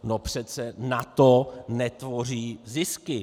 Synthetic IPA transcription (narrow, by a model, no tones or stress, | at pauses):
nopr̝̥ɛt͡sɛnat̪onɛt̪vo̞r̝iːzɪskɪ